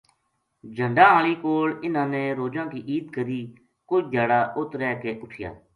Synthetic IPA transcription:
d͡ʒʱəɳɖãːɦaːliːkoːlɪnãːneːɾoːd͡ʒãːkiːʔiːd̪kəɾiː | kʊt͡ʃd̪ʱjaːɽaːʔʊt̪ɾɛːkeːʔʊʈʰɪja̰ː

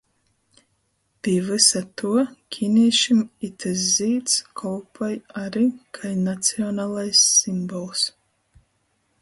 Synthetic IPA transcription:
piɛvɨsat̪uɔkʲʰiniɛʃimit̪ʰɨz̬ziːt̪skʰɔlˠpʰajaɾiːkʰajnat̪siɔnaːlˠajsːimbɔlˠs

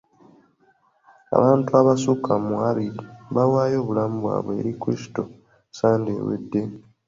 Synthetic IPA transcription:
a̰βaːntuaβasukamualidβawaːjo̞ːβulamubwa̰ːβwe̞̰ːɾikuɾisi̥to̞ | saːndḛːwḛdːe̞

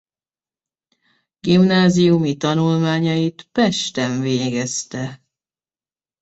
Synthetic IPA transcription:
ɡimnaːzijumit̪ɒnulmaːɲɒjit̪pɛʃt̪ɛɱveːɡɛst̪ɛ

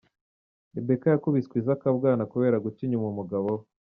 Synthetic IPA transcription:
ebekajakuβiskwizakabɡaːnakuβe̞ːɾaɡuciɲumumuɡaβo

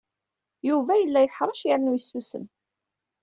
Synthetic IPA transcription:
juvæjəlːæjħɾˤɑʃjaɾnujəsːusə̰n

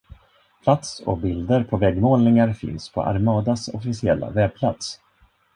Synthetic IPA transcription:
pʰlat̪sɔ̰bɪld̪əɾpʰɔvɛɡmoːlnɪŋaɾfɪ̰nspʰɔ̰ʔa̰ɾmɑːd̪asɔfɪsɪɛlːa̰vɛb̚pʰlat̪s

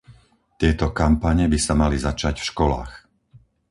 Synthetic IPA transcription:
t̪ɪɛt̪ɔkampaɲɛbisamalizat͡ʃaɟfʃkɔla̰ːx

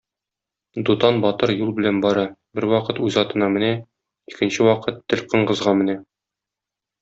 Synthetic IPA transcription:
d̪ut̪ɑnbɒt̪ɤɾjulˠbɘ̆lænbɒɾɤbɘɾwɒqɤt̪ʉzɒt̪ɤ̆nɑmɘ̆næ | ikɘ̆nɕɘwɒqɤt̪ːɘ̆lʲqɤ̆ɴqɤ̆zʁɑmɘ̆næ

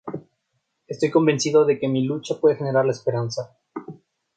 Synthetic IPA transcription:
e̞st̪ojko̞mbe̞nsiðo̞ðe̞ke̞milut͡ʃapwe̞ðe̞xe̞ne̞ɾaɾlaespe̞ɾansa

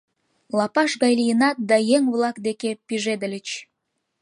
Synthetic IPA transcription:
lɑpɑʃɣɑjlijənɑt̪̚d̪ɑjeŋβlˠɑkd̪ekepiʒed̪ə̆lʲət͡ɕ

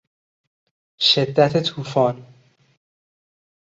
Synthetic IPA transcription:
ʃed̪ːæt̪ʰet̪ʰuːfɒːn

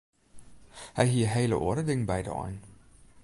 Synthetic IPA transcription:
hɛjɦiəɦejlə̰ʔo̰əɾədɪŋbɛjdɔ̰ɔ̰n

